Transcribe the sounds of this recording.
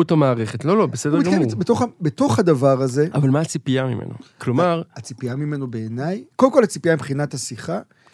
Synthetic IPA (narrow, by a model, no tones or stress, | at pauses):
utamaːʁeχetlo̞lo̞besedekɡamebetoχabet̪o̞χhad̪avaʁaze̞avalmaːt͡sipiamimḛno̰klo̞aʁat͡sipiamime̞no̞be̞ːnajkolemkolhat͡sipiaimbχinatasiχa